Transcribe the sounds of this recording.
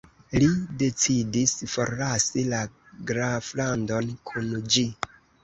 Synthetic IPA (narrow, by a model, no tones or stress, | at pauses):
lide̞t͡sidisfo̞ɾasila | ɡɾaflando̞nkʰund͡ʒi